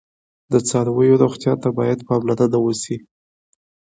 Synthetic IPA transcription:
d̪ət͡sɑɾawəjoɾoxt̪jɑt̪abɑjad̪pɑblad̪ad̪awosi

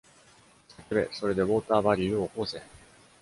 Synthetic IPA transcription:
sakɯbe̞̰so̞ɾe̞d̪e̞βo̞ːt̪aːbaɾʲiɯokoːsẽ

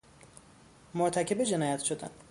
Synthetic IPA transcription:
moɾt̪ʰæcʰe̞bed͡ʒe̞nɒːjæt̪ʃod̪æ̰n

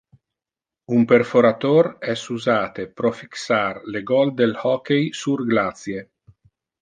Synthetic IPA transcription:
umperfoɾat̪oɾɛsuzaːt̪epɾofi̥ksarleɡɔld̪elhɔkejsurɡlat̪sje

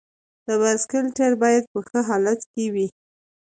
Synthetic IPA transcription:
d̪̥əbaskɪlʈeɾbɑjad̪̚pəxəɦɑlat̪kewi

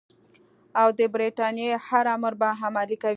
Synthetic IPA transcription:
awd̪əbɾeʈɑnjehaɾaməɾbaɦamɑlikaw

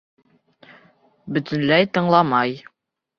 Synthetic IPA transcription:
bɵ̆t̪ɵ̆nlæjt̪ɤ̆ɴlˠɑmɑj

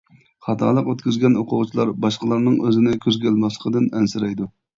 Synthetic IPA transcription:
χɑt̪ʰɑ̰ːlˠəqøt̪kʲyzɡʲɛnoqʰʊʁt͡ʃʰilˠɑɾbɑʃqəlˠɑɾnɨŋøzɪnɪkʲʰøzɡʲælmɑslˠə̥qʰəd̪ɪnɛnsɪɾɛjd̪u

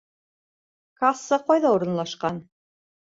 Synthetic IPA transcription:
kasːɤqɑjðɑuɾɤ̆nlˠɑʃqɑn

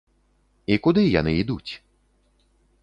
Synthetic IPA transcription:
ikʊd̪ɪjɐnɪid̪utʲ

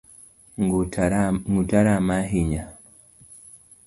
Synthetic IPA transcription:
ŋɡutaɾamaɦiɲa

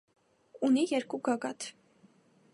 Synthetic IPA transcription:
unijɛɾkuɡɑɡɑt̪ʰ

